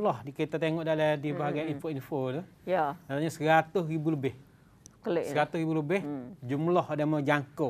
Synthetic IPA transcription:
lɔhdikit̪at̪eŋɔʔdaladibaɦaɡajinfoinfot̪u | janat̪aɲasəɾat̪ʊsɾibuləbɪh | kəlssəɾat̪ʊhɾibuləbɪhd͡ʒumlɔhadaməd͡ʒaŋko

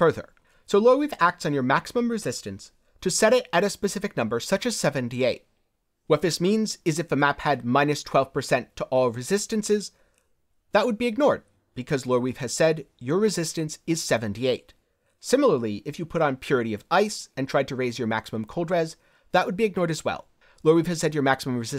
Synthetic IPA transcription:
fɜ˞ðə̰˞ | soʊlɔɹwifæk̚tsn̩jə˞mæksəmə̃mɹɨzɪstɨ̃ns | tʰɨsɛɾɪɾɨɾɨspɨsɪfɨk̚nʌ̃mbə˞sʌt͡ʃɨz̥sɛvɨ̃ntieɪt̚ | wʌt̪̚ðɪsmĩnzɨzɨfəmæphɨd̚mãɪ̃nɨstʰw̥ɛlˠv̥pʰə˞sɛ̃ntʰəʔɔlˠɹɨzɪstɨ̃nsɪz | ðəʔ̚wəd̚biɨɡ̚nɔɹd̚ | b̥ɨkʰʌzlɔɹwiv̥ɨz̥sɛdjə˞ɹɨzɪstɨ̃nsɨz̥sɛvɨ̃ntieɪt | sɪ̃ml̩ˠə˞lˠiʔɨfjɨpʰʊɾn̩pʰj̥ʊɹɨɾiʌvaɪsɨ̃ntʰɹ̥aɪd̚tʰɨɹeɪzjə˞mæksəmə̃mkʰoʊlˠdɹɛz | ðəʔ̚wəd̚biɨɡ̚nɔɹɾɨzwɛ̰lˠ | lɔɹwiv̥ɨz̥sɛdd͡ʒjə˞mæksəmə̃mɹɨzɪ

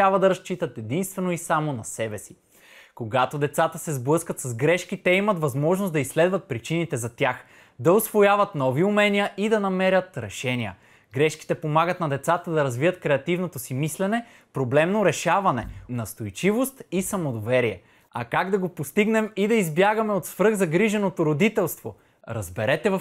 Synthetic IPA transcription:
ɾabvɐd̪ɐɾɐst͡ʃit̪ət̪ɛd̪inst̪vɛnoisamonɐsɛbɛsi̥ | koɡat̪od̪ɛt̪sat̪əsɛzblˠɤskət̪sɐzɡɾɛʃkit̪ɛimɐt̪vɐzmɔʒnosd̪ɐisːlɛd̪vɐt̪̚pɾit͡ʃinit̪ɛzɐt̪ʲjax | d̪ɐʊsvojavɐt̪nɔviʊmɛniəʔid̪ɐnɐmɛɾʲət̪ɾɛʃɛniə̰ | ɡɾɛʃki̥t̪ɛpomaɡət̪nɐd̪ɛt̪sat̪əd̪ɐɾɐzvijət̪kɾɛɐt̪ivnot̪osimislɛnɛ | pɾoblɛmnoɾɛʃavɐnɛnɐst̪ojt͡ʃivost̪isɐmod̪ovɛɾiɛ | ɐ̰kaɡd̪ɐɡopost̪iɡnɛmid̪ɐizbjaɡɐmɛot̪svɾɤɣzɐɡɾiʒɛnot̪oɾod̪it̪ɛlˠst̪vo | ɾɐzbɛɾɛt̪ɛvɐ

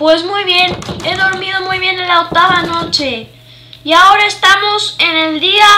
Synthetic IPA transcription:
pwe̞zmujβje̞ne̞ðo̞ɾmið̞o̞mujβje̞nelaok̚t̪aβano̞t͡ʃe̞ | iao̞ɾaest̪amo̞sene̞ld̪ia

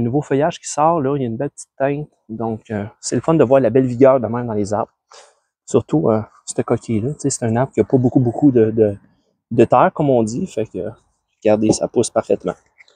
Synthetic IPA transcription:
ənuvofœjaʒkʲi̥sɑːʁlɔjaynbɛlpə̥t͡si̥t̪ːɛ̃t̪ | d̪ɔ̃køsɛləfɔnd̪əvwaːʁlabɛlviɡʲœːʁd̪əmɛ̃md̪ɑ̃leːza̰ʁb | syʁt̪ʰuø | st̪əkɔkʲʰelʌt͡sese̥t̪ɛ̃nabkʲiɐpɔbokubukʰud̪əd̪ə | d̪ət̪ɛːʁkɔmɔ̃d͡z̪ifɛkə̰ | ʁɡ̥aʁd̪esa̰pʊspaʁfɛt̪mɑ̰̃

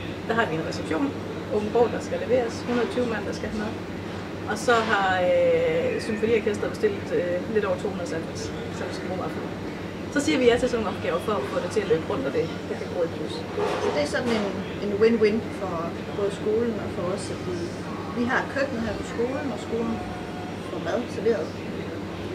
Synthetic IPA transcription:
d̥æɦɑ̈ʋienʁɛseb̥ɕo̝̰ːn | ɔ̽ŋn̩b̥ɒʊːd̥ɑ̈sɡ̥æleʋe̝̰ːɐshunɐðˠt͡sʰyːʊmæn̰d̥ɑsɡ̥æhnɐ | ʔɒ̽sɒ̽ɦɑ̈øsɒ̽mfɒlḭːɐkʰesd̥ðˠb̥e̝sd̥e̝l̰d̥ˠøle̝ɾ̥ɒ̰ʊ̰ɐt͡sʰo̝̰ːhunðˠsæns | sænsɡ̥b̥o̰ːʋɑ̈fo | sɒ̽siːɐʋijæt͡sʰe̝lsɒno̝ːŋɒ̽b̥ɡ̥ɛʊɐfɒ̽ɒfɔ̽d̥et͡sʰe̝æløɡ̥əʁɔ̽n̰d̥ɒd̥e̝ | d̥ekʰæɡ̥o̰ːed̥̚bʰys | sɒ̽d̥e̝æsɒ̽d̥n̩e̝n | e̝nwenwenfɒ̽ | b̥ɔːð̞̩ˠsɡ̥o̝ːln̩ɒ̽fɒ̽ɒsɒd̥i | ʋiɦɑ̥̈kʰøɡ̥nð̩hæɐ̰pʰɒ̽sɡ̥o̝ːln̩ɒ̽sɡ̥o̝ːln̩ | fɒmæð̩ˠt͡sʰæle̝ɐðˠ

